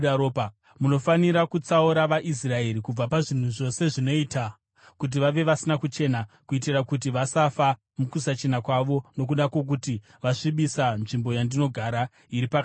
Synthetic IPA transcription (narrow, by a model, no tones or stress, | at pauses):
opa | muno̞faniɾakut͡sauɾaʋaʔis̬rae̞ɾikub͡vapaʐin̤uʐo̞se̞ʐino̞ita | kut̬iʋaʋe̞ʋasinakut͡ʃe̞nakuit̬irakut̬iʋasafa | mukusat͡ʃe̞nakwaʋo̞no̞k̬uɗakwo̞k̬uti | ʋaʂiɓisanʐimbo̞jandino̞ɡʱaɾa | iɾipak